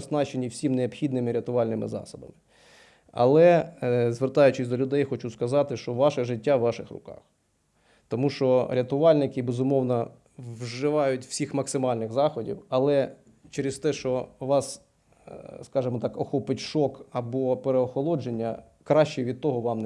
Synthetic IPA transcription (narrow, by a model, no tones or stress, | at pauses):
snɑt͡ʃenʲːiwsʲimneɔpxʲid̪nɪmɪɾʲɐt̪ʊʋɑlʲnɪmɪ̰zɑ̰sɔbɐ̰mɪ | ɐ̰lˠɛzʋert̪ɑjʊt͡ʃɪsʲd̪ɔlʲʊd̪ɛjxɔt͡ʃuskɐzɑt̪ɪʃt͡ʃɔʋɑʃɛʒɪtʲːaʋːɑʃɪxɾrʊ̰kɑ̰x | t̪ɔmuʃɔɾʲɐt̪ʊʋɑlʲnɪkɪbezʊmɔwnɐ | wʒɪʋɑjʊtʲw̥sʲixmɐksɪmɑlʲnɪɣzɑxɔdʲḭwɐlˠɛ | t͡ʃeɾɪst̪ɛʃt͡ʃɔʋɑs | skɑʒɪmɔt̪ɑkɔxɔpɪtʲʃɔkɐbɔpeɾeɔxɔlˠɔd͡ʒenʲːɐ | kɾɑʃt͡ʃɛʋʲid̪̚t̪ɔɦɔʋɑmn